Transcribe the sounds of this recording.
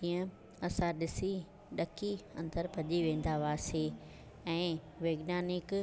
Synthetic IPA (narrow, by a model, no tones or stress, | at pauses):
iːə̃ | ɐsãɗɪsi | ɗɐkʰiɐ̰̃nd̪əɾpɐʄiʋẽːn̆d̪aʋaːseː | ɛ̃ː | ʋeːɡnaːnɪk